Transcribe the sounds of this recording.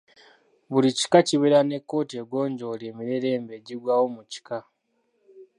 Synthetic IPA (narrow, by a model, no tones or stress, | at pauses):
βuɾici̥kaciβeɾane̞kːo̞ːtieɡwo̞ːɲɟo̞leːmiɾe̞ɾe̞ːmbe̞ɟiɡwaːwo̞muci̥ka